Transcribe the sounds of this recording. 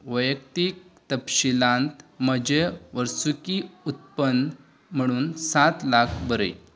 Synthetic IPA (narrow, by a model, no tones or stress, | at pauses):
ʋəjəkt̪ik̚t̪əpɕilãnt̪məd͡ʑeʋəɾsukiut̪̚pən | m̤əɽ̃uːnsat̪lakʰbəɾə̰j